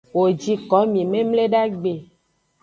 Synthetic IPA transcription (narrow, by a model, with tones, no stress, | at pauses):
wo˨d͡ʒi˨kɔ˨˦mĩ˨mẽ˦mle˦ɖa˦ɡ͡be˨